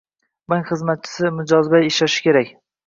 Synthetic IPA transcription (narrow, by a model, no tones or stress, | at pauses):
mɪŋχɨzmat̪̚t͡ʃʰɪ̥sɪmʊd͡ʒɒzbajɪʃaʃɪ̥kʲe̞ɾakʲ